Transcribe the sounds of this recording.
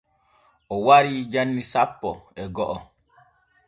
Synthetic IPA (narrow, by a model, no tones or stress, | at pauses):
ʔɔwaɾiːd͡ʒanːisapːɔɛɡɔʔɔ